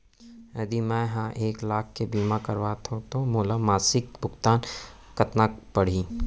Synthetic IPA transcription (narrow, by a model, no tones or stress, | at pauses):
ɐd̪imɛ̃ɦãʔeːklaːkʰːebiːmakɐɾʋaːt̪ʰot̪omoːlaːmaːsɪkbʊɡt̪aːn | kɐt̪napəɽ̤i